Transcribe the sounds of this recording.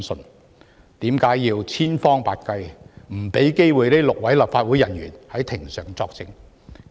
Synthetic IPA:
sɵ˨˧n | t̪iː˨˥mkaː˨˥jjiː˧wt͡sʰiː˥nfɔː˥ŋpaː˧t̚kɐ˧jm̩˨˩pe˨˥jke˥jwuː˨˩jne˥jlʊ˨k̚wɐ˨˥jlaː˨˩p̚faː˧t̚wuː˨˥jɐ˨˩nɥyː˨˩nhɐ˨˥jt̪ʰɪ˨˩ŋsœː˨˩ŋt͡sɔː˧k̚t͡sɪ˧ŋ

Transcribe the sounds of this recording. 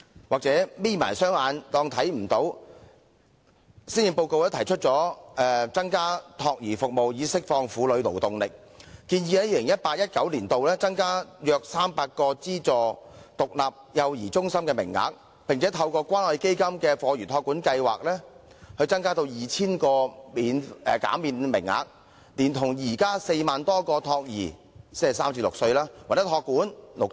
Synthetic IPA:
waː˨k̚t͡sɛː˨˥miː˥˩ma̰ː˨˩jsœː˥ŋaː˨˧nt̪ɔː˧ŋt̪ʰɐ˨˥jm̩˨˩t̪o˨˥w | siː˥nji˨˧ŋpo˧wko˧wlɛ˥t̪ʰjt͡ʃʰɵ˥t̚t͡sɔː˨˥ɛ˧t͡sɐ˥ŋkaː˥t̪ʰɔː˧k̚jiː˨˩fʊ˨k̚mo˨wjiː˨˧˥sɪ˥k̚fɔː˧ŋfuː˨˥lɵ˨˧ɥlo̰˨˩wt̪ʊ˨ŋlɪ˨k̚ː | iː˧njiː˧hɛ˨˥jiː˧lɪ˨˩ŋjɐ˥t̚paː˧t̚jɐ˥t̚kɐ˨˥wliː˨˩nt̪o˨wlɛː˥t͡sɐ˥ŋkaː˥jœː˨˧k̚saː˥mpaː˧t̚kɔː˧t͡siː˥t͡sɔː˨˩t̪ʊ˨k̚laː˨p̚jɐ˨˧wjiː˨˩t͡sʊ˥ŋsɐ˥mkɛː˧mɪ̰˨˩ŋːa̰ː˨˥k̚ | pɪ˨ŋt͡sʰɛː˨˥t̪ʰɐ˧wkɔː˧kʷaː˥nɔ˨˧jke˥jkɐ˥mkɛː˧fɔː˨˧jyː˨˩t̪ʰɔː˧˥kːuː˨˥nkɐ˧jwa̰ː˨k̚lɛː˥ | hɵ˧ɥt͡sɐ˥ŋkaː˥t̪o˧wjiː˨t͡sʰiː˥nkɔː˧miː˨˧nɛ˨ka̰ː˨˥miː˧nmɪ˨˩ŋːa̰ː˨k̚ | liː˨˩nt̪ʰʊ˨˩ŋjiː˨˩kaː˥se˧jmaː˨nt̪ɔː˥kɔː˧t̪ʰɔː˧k̚jḭː˨˩ | ssaː˥mt͡siː˧˥lʊ˨k̚sɵ˧ɥlaː˥waː˨˩jɐ˥t̪ʰɔː˧kːuː˨˥nlʊ˨k̚

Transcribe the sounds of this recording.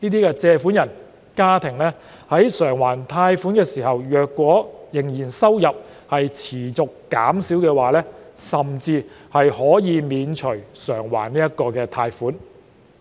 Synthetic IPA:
niː˥t̪̬iː˥kɛː˧t͡sɛː˧fuː˨˥njɐ˨˩n | kaː˥t̪ʰɪ˨˩ŋlɛː˥ | hɐ˨˥jsœː˨˩ŋwaː˨˩nt̪ʰaː˧jfuː˨˥nkɛː˧siː˨˩hɐ˨wjœː˨kːʷɔː˨˥jɪ˨˩ŋjiː˨˩nsɐ˥wjɐ˨p̚ | hɐ˨jt͡sʰiː˨˩t͡sʊ˨kːa̰ː˨˥msiː˨˥wkɛː˧waː˨lɛː˥sɐ˨˩mt͡siː˧ | hɐ˨jhɔː˨˥jiː˨˧miː˨˧nt͡ʃʰɵ˨˩ɥsœː˨˩ŋwa̰ː˨˩nniː˥ɐ˥t̚kɔː˧kɛː˧t̪ʰaː˧jfuː˨˥n

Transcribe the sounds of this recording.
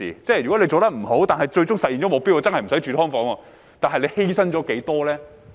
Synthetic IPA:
ḭː˨˩t͡sɛː˥jɥy˨kɔ˨˥le˧t͡so˨wt̪ɐ˥k̚m̩˨˩ɦo˨˥wt̪aː˨nɦɐ˨jt͡ʃɵ˧ɥt͡ʃʊ˥ŋsɐ˨t̚jiː˨nt͡ɕɔ˨˦˥mʊ˨k̚piː˥wɔ˨˧˥t͡sɐ˥nhɐ˨jm̩˨˩sɐ˨˥jt͡ʃyː˧t̪ʰɔː˥ŋfɔː˨˥ŋwɔː˧ | t̪aː˨nɦɐ˨jle˨˧jhe˥jsɐ˥nt͡ʃɔː˨˥ke˨˥jt̪ɔː˥lɛː˥

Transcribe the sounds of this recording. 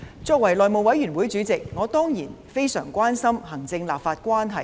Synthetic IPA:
t͡ʃɔː˧k̚wɐ˨˩jlɔː˨jmo˨wɐ˨˥jɥyː˨˩nwuː˨˥jt͡ʃyː˨˥t͡sɪ˨k̚ŋɔː˨˧t̪ɔː˥ŋjiː˨˩n | fe˥jsœ̰ː˨˩ŋkʷwaː˥nsɐ˥mɦɐ˨˩ŋt͡sɪ˧ŋlaː˨p̚faː˧t̚kʷwaː˥nɦɐ˨˩j

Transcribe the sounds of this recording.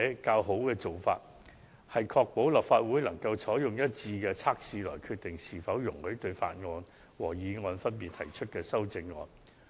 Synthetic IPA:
ɛ˨˥kaː˧wɦo˨˥wkɛː˧t͡so˨wfa̰ː˧t̚ | hɐ˨jkʰɔː˧k̚po˨˥wlɐ˨˩p̚faː˧t̚wuː˨˥jlɐ˨˩ŋkɐ˧wt͡sʰɔː˨˥jjʊ˨ŋjɐ˥t̚t͡siː˧kɛː˧t͡sʰaː˥k̚siː˧lɔː˨˩jkʰyː˧t̚t̪ɪ˨˩ŋsiː˨˩fɐ˨˥wjʊ˨˩ŋhɵ˨˥ɥt̪ɵ˧ɥfa̰ː˧t̚ŋɔː˧n | wɔː˨˩jiː˨˧ŋɔː˧nfɐ˥npiː˨t̪̚ʰɐ̰˨˩jt͡ʃʰɵ˥t̚kɛː˧sɐ˥wt͡sɪ˧ŋːɔ̰ː˧n

